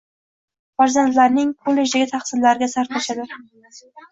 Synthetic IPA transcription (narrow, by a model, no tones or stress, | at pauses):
faɾzand̪laɾnɪŋkʰolːe̞d͡ʒd̪aɡʲɪt̪ʰaχsɪnlaɾɪɡʲasaɾt̪ʰaʃad̪ɪ